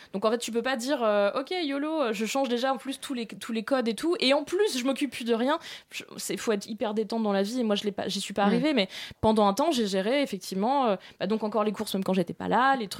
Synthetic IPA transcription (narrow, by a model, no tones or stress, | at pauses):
d̪̥ɔ̃kɑ̃fɛt̪t̪ːyp̬øpad̪iʁøɔkʲejoloːʒəʃɑ̃ʒd̪eʒaɑ̃plyst̪ʰulet̪ʰulekɔd̪et̪ʰueɑ̃plysʒəmɔkʲypːyd̪əʁjɛ̃ʒ̥əsɛfoɛt̪χipɛʁd̪et̪ɑ̃td̪ɑ̃laviemwaʒəlɛpa̰ʒisɥipaːʁivemɛpɑ̃d̪ɑ̃ɛ̃t̪ɑ̃ʒeʒeʁeefɛk̚t̪ʰivmɑ̃øbad̪ɔ̃kɑ̃kɔʁlekuʁsmɛmkɑ̃ʒet̪ɛpa̰lalet̪χy